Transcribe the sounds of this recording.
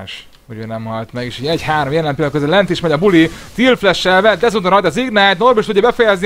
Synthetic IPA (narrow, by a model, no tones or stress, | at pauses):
ʃ | hoɟøːnɛmhɒlt̪mɛɡeːʃiːɟɛɟhaːɾomjɛlɛmpilkøzɛlːɛnt̪iʃmɛɟɒbulit̪ilflɛʃɛvɛt̪d̪ɛzuːt̪onɾɒjt̪ɒziɡnaːt̪norbiʃt̪udɟːɒbɛfɛjɛzni